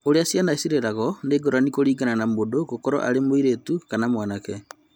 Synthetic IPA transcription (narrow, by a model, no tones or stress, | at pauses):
oɾeasjanasiɾeɾaɣɔneɡɔɾanikoɾiːɡananamodoɣokɔɾɔ̰ʔa̰ɾemoiɾetukanamwaːnakɛ